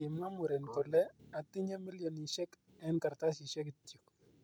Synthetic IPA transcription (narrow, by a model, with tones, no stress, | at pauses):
ɪ˨ma˦mu˨ɾɛ˨nkɔ˨lɛ˦a˨tɪ˦ɲe˦mi˦ljɔ˨ni˨ʃɛ˦k | ɛ˦nka˨ɾta˦sɪ˨ʃɛ˦kɪ˨tju˨k